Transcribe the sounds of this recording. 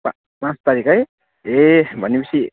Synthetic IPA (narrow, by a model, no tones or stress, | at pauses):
pã | pãt͡st̪aɾikʌj | ebʱʌnːepʌsʰi